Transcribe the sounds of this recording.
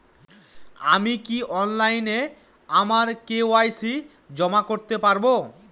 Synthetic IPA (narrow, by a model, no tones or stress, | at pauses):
a̰mikiʔɔnlajne | amaɾkeoajsi | d͡ʑɔmakoɾt̪epaɾbo